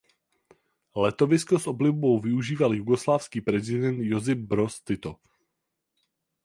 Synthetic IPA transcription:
lɛt̪o̞vɪskosʔo̞blɪvbo̞wvɪuʒiːvaljuɡo̞slaːfskiːpɾɛzɪdɛnt̪jo̞zɪfbɾo̞st̪ɪt̪o

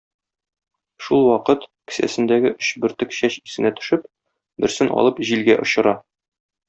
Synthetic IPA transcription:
ʃulˠwɒqɤt̪kɘ̥̆sæ̰sɘ̆nd̪æɡɘʔɵɕbɘ̆ɾt̪ɘkɕæɕisɘ̆næt̪ɵ̥̆ʃɘp | bɘ̆ɾsɘnʔɒ̰lˠɤpʑilɡæʔŏɕɤ̆ɾɑ

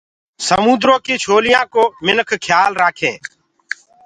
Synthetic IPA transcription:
səmuːd̪ɾõːkiːt͡ʃʰoːlɪjãːkoːmɪnəkʰkʰjaːlɾaːkʰẽː

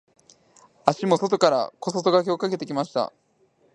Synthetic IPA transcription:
aɕimo̞so̞t̪o̞kaɾa̰ko̞sot̪o̞ɡakʲeo̞kake̞t̪e̞kʲimaɕi̥t̪a̰

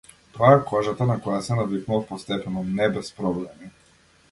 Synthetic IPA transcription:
t̪oaɛkɔʒat̪anakɔjasɛnad̪iknuɔfpɔst̪ɛpɛnɔnɛbɛspɾɔblɛmi

